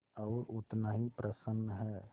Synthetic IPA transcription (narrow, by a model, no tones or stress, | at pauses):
ɔːɾʊt̪naːɦipɾəsənːəɦɛː